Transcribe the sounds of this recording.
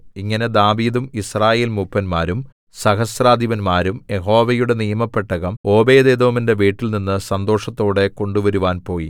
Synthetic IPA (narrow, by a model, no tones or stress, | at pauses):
iŋːɐne̞d̪aːʋiːd̪umisraːje̞ːlmupːɐnmaːɾum | sɐɦɐsraːd̪ʱiʋɐnmaːɾumje̞ɦo̞ːʋɐjuɽe̞nijɐmɐpːe̞ʈːɐɣɐmo̞ːbe̞ːd̪eːd̪o̞ːminde̞ʋiːʈːilninːɨsɐnd̪o̞ːʂɐt̪ːo̞ːɽe̞ko̞ɳɖuʋɐɾuʋaːnpo̞ːji